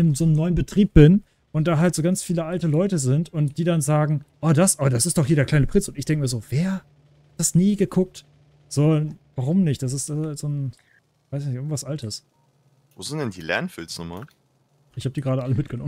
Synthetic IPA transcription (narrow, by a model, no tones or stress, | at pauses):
ɪmzoːnəmnɔʏənbətʁ̥iːp̚b̥ɪn | ʔʊnt̚d̥aːɦaltz̥oːɡant͡sfiːləʔaltəlɔʏtəzɪntʊntd̥iːdanzaːɡŋ̩ʔoːdasʔaɐdasɪstd̥ɔχhiːɐdeɐklaɪnəpʁ̥ɪnt͡sʊntɪçd̥ɛŋkəmiːɐzoːveːɐ | hat̚d̥asniːɡəkʰʊk̚t | z̥oːvaʁ̞ʊmnɪçt̚d̥as̬ɪstashaltz̥oːn | v̥aɪsɪçnɪçɪɡŋ̩tvasʔaltʰəs | voːzɪntd̥ɛndiːlɛ̰ɐnfɪ̰lsnʊma̰ | ʔɪçhaːbəd̥iːɡəʁaːɾəʔaləmɪt̚ɡ̥ənɔm